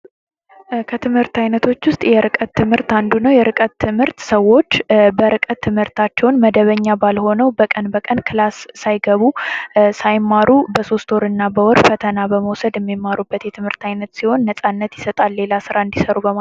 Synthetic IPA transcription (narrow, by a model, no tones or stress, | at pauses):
kʰət̪ʰɨmhɨɾt̪ajnət̪ʰo̞t͡ʃːwʊst̪ʼjɛɾɨkʼət̪ʰːɨmhɨɾt̪and̪unəwjɛɾʔɨkʼət̪ʰːɨmhɨɾt̪səwːo̞t͡ʃːbəɾɨkʼət̪ʰːɨmhɨɾt̪ʰat͡ʃːɛwnməd̪əβəɲːabalho̞nəwbəkʼənbəkʼənkʰɨlasːajɡəβusajmːaɾubəso̞st̪ʰoɾɨnːabəwɔɾfət̪ʰənabəməwsəd̪jɛmːimːaɾubːət̪jɛt̪ʰɨmhɨɾt̪ʰajnət̪siho̞nːəsʼanːət̪jɪsət̪ʼalːe̞lasɨɾaɨnd̪isəɾubəma